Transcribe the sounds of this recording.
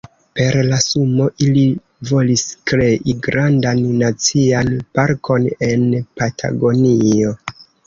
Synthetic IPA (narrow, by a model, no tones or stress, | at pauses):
pe̞ɾlasumo̞ʔili | vo̞liskɾe̞ʔiɡɾandanːat͡sianpaɾko̞ne̞npatʰa̰ɡo̞nio̞